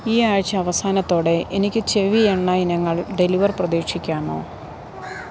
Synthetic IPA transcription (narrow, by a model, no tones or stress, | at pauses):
iːaːɻt͡ɕːɐːʋɐsaːnɐt̪ːo̞ːɽe̞ʔenikʲːɨt͡ɕe̞ʋijeɳːainɐŋːɐɭɖe̞liʋɐrprɐðiːkʂikʲːaːɳo̞̰ː